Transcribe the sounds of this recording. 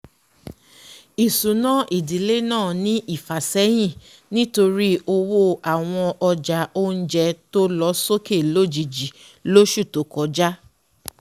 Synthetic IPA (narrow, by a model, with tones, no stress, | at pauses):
i˨su˨nã˦˨ʔi˨di˨le˦nãː˦˨nĩ˦ʔi˦˨fa˨sɛ˦j̃ĩ˦˨ | nĩ˦to˧ɾi˦o˧wo˦a˨w̃ɔ̃˧ɔ˧d͡ʒa˨o˦n̩˦d͡ʒɛ˧to˦lɔ˧˦so˦ke˦˨lo˦d͡ʒi˨d͡ʒi˨ | lo˦ʃu˦˨to˨˦kɔ˨˦d͡ʒa˦